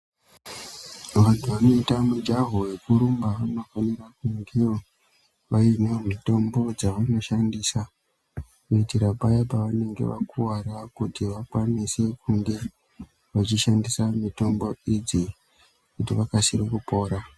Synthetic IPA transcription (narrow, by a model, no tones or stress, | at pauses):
ʋantʰuʋano̞itamud͡ʒaɦowe̞kuɾumbaʋano̞fanirakuŋɡe̞ | ʋainemito̞mbo̞d͡zaʋano̞ʃandisa | kuitiɾabajapaʋane̞ŋɡḛʋa̰kuwarakutiʋakwanise̞kuŋɡe̞ | ʋat͡ʃiʃandisamito̞mbo̞id͡zi | kutiʋakasirikupo̞ːɾa